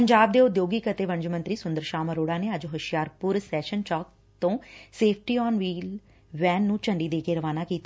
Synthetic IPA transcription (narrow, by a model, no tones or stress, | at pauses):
pəɲd͡ʒaːb̚d̪eːʊd̪joːɡiːkət̪eːʋəɲd͡ʒmə̃nt̪ɾiːsʊnd̪əɾʃaːməɾoːɽaːneːəd͡ʒɦəʃɪjaːɾpʊɾsɛːʃənt͡ʃɔːk̚ | t̪õːseːpʰʈiːɔːnʋiːl | ʋɛːnːũːt͡ʃəɳɖiːd̪eːkeːɾəʋaːnaːkiːt̪a